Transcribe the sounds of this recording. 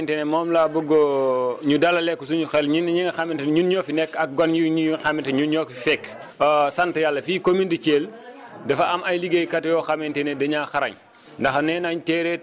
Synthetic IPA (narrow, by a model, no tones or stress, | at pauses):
ntenemɔːmlaːbuɡoɲudalɐlɛkːusuɲuxɛlɲinɲiŋɐxamintɐnɲunɲoːfinɛkːɐk̚ɡonuɲixamintɐɲunɲokifɛkː | santjalːɐfiːkomindit͡ʃeːl | dɐfaamajliɡejkatjɔːxamentenedɐɲaːxaɾɐɲ | ndɐxnɛːnaɲtɛːɾɛː